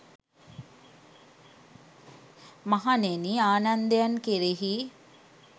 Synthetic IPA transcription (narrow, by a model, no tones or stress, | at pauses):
maɦaneniaːnand̪ejankeɾeɦi